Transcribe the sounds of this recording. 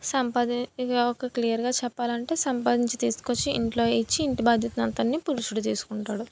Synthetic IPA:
sɐmpaːd̪iokɐklijɐɾɡaːt͡ʃɛpːaːlɐɳʈe̞ːsɐmpaːd̪iɲt͡ʃit̪iːsu̥ko̞t͡ʃːiːɳʈlo̞ːit͡ʃːiːɳʈibaːd̪ʱjɐt̪ɐnɐnt̪ɐnːiːpuɾuʂuɽut̪̬iːsu̥kuɳʈaːɽu

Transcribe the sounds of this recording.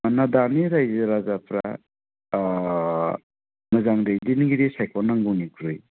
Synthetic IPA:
manadaniɾajzaɾazapʰɾa̰ | mɯzaŋdejdinɡiɾisajkʰɔnaŋɡɔnikʰɾɯj

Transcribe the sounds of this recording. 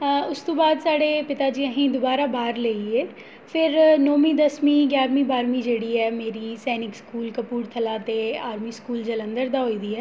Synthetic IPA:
ʊst̪õːbaːd̪saːɽeːpɪt̪aːd͡ʒiːəɦĩːd̪ʊbaːɾaːbaːɾleieː | pʰɪɾnoːmĩːd̪əsmĩːɡjaːɾmĩːbaːɾmiːd͡ʒeːɽiːɛːmeːɾiːsɛːnɪkskuːlkəpuːɾt̪ʰəlaːt̪eːaːɾmiːskuːld͡ʒələ̃nd̪əɾd̪aːɦoːiːd̪iːɛː

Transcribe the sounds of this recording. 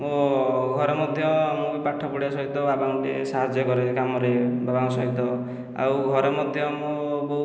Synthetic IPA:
moɡʱɔɾɔmɔd̪ʱjɔamũpaʈʰɔpuɽasɔɦit̪ɔbabaŋʈḛsaɦad͡ʒjɔkɔɾekamɔɾebabaŋ̃sɔɦit̪ɔ | a̰wɡʱɔɾɔmɔd̪ʱjɔmobo

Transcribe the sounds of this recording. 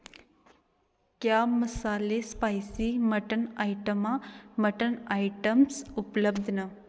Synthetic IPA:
kjaməsaːlespajsiməʈənajʈəmaməʈənajʈəmsupləbd̪ʱnɐ

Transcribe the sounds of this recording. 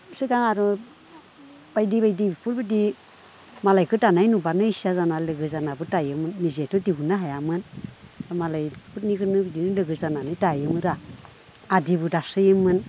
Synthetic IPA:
sɯɡaŋaɾu | b̥ajdibajdibipʰuɾbɯdi | malajkʰɯtanajnubanɯisazanalɯɡɯzanabɯtajɯmɯnːizetʰɔdiɦunaɦajamɯnamalajpʰut̚niɡɯnɯbdinɯlɯɡɯzananɯjtajɯmɯɾaː | dibudasɯjɯmɯn

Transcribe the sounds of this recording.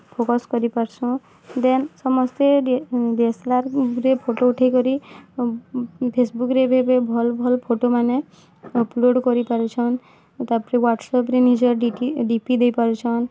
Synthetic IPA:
pʰokɔskɔɾipaɾsʰũ | d̪ensɔmɔst̪eɖeslaɾɾepʰoʈouʈʰajkɔɾi | pʰesbukɾebʱebebʱɔlbʱɔlpʰoʈomane | ɔploɖkɔɾipaɾut͡ʃʰɔn | t̪apɾewaʈsɔpɾenid͡ʒɔɾɖiiɖipid̪ejpaɾut͡ʃʰɔn

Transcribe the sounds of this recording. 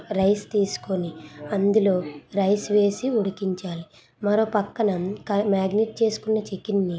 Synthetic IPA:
ɾɐjst̪iːsu̥koniɐnd̪ulo̞ːɾɐjsʋe̞ːsiuɽukiɲt͡ʃaːli | mɐɾo̞ːpɐkːɐnɐkɐmaːɡniʈ̚t͡ʃe̞ːsu̥kunːɐt͡ʃikinːi

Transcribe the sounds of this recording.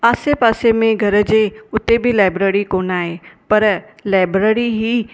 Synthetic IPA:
aːsepaːsemẽɡʱɐɾəd͡ʑeːʊt̪ebʱɪlaːɪbɾeːɾikoːnaːɦepɐɾ | laːɪbɾeːɾiɦiː

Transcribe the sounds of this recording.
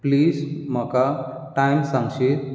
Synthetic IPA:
pliːzməka | ʈajmsãŋɡɕe

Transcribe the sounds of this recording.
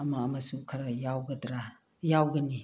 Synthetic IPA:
ɐmaːmɐsukʰɐɾajawɡɐdɾa | jawɡɐni

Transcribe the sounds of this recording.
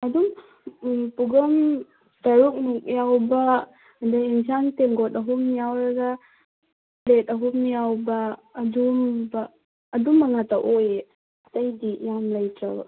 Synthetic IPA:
ɐdum | puɡɐm | tɐɾuk̚nuk̚jawba | daeŋsaŋtemɡɔtɐɦumnijawɾɐɡa | letɐɦumnijawbɐːdumbaː | dumːɐŋataʔoj | ɐtɐjdijamlajtaw

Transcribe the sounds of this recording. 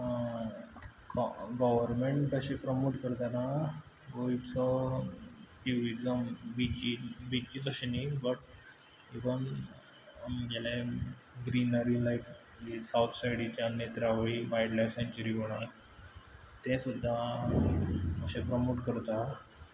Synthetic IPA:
kɡɔʋəɾmeɳʈəɕẽpɾəmoʈkəɾt̪ana | ɡoit͡sɔ | ʈiʋit͡səbit͡ɕibit͡ɕiːt͡səɕenibəʈ̚ | eʋən | amɡela | ɡɾinəɾilaif | isawt̪ʰsajɽit͡ɕjanet̪ɾaʋɭiʋajɽlajfsẽɲt͡ɕəɾiɦoɽ̃a | t̪ẽsud̪ʱːa | əɕepɾəmoʈkəɾt̪a

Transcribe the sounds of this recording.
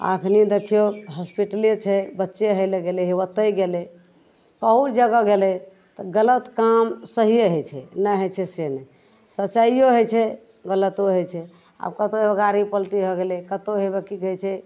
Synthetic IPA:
a̰kʰnid̪ekʰijoɦɔspiʈəlit͡ʃʰɛbətːʃeɦəleɡeleɦewət̪əjɡele | kəɦud͡ʒəɡəɡelɛ | t̪ɔɡələt̪kamsəɦijeɦət͡ʃʰɛ̰nəɦət͡ʃʰɛsenɛ | sət͡ʃəioɦət͡ʃʰɛ | ɡələt̪oɦət͡ʃʰɛ | a̰bkət̪oəɡaɾipəlʈibʱɔɡelekət̪oɦebekiɡet͡ʃʰɛ

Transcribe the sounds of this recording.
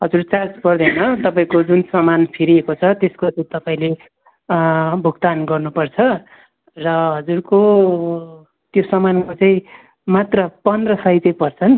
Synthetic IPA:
ɦʌd͡zurt͡sat͡spʌrd̪ʌjnʌt̪ʌpaĩkod͡zunsʌmanpʰiɾiekot͡sʰʌt̪eskot͡sʌĩt̪ʌpaĩle | bʱuɡt̪anɡʌrnupʌrt͡sʰʌ | rʌɦʌd͡zurko | t̪josʌmankot͡saĩ | mat̪rʌpʌnd̪rʌsʌjt͡sʌĩpʌrt͡sʰʌn

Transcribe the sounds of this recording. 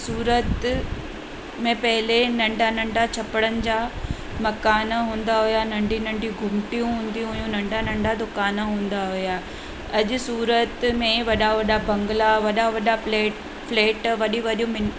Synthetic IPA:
suːɾət̪ | mẽpɐɦɪlenɐ̃ɳɖʱanɐ̃ɳɖat͡ɕʰɐpəɽ̃ənɪ̆d͡ʑaː | mɐkaːnaɦũːnd̪aɦʊjanɐ̃ɳɖʱinɐ̃ɳɖʱiɡʱʊmʈijũɦũːnd̪iɦʊjũnɐ̃ɳɖʱanɐ̃ɳɖʱad̪ʊkaːnaɦũːn̆d̪aɦʊja | ɐʄʊ̆suːɾət̪mẽʋɐɗaʋɐɗabɐ̃ŋɡlaʋɐɗaʋɐɗaleː | fleːʈʋɐɗiʋɐɗijũmɪ

